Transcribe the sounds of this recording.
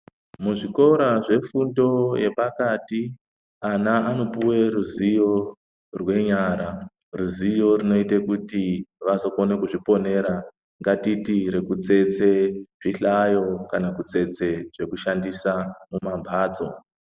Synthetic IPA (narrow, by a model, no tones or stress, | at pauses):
muʐiko̞ɾaʐe̞fundo̞je̞pakati | anaːno̞puweɾuzijo̞ | rwe̞ɲaɾa | ruzijo̞rino̞itekutiʋasokonekuʐipo̞ne̞ɾa | ŋɡatitiɾe̞kut͡se̞t͡se̞ʐiɬajo̞kanakut͡se̞t͡se̞ʐ̥e̞kuʃandisamumambʱaːd͡zo̞